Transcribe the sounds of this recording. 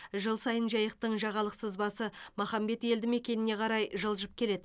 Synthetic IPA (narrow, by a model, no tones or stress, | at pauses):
ʒəlˠsɑjənʒɑjəq̚t̪əɴʒɑʁɑlˠəqsəzbɑsəmɑχɑmbe̞t̪e̞ld̪ɪme̞kʲe̞nɪne̞qʰɑɾɑjʒəlˠʒəp̚kʲʰe̞le̞d̪ɪ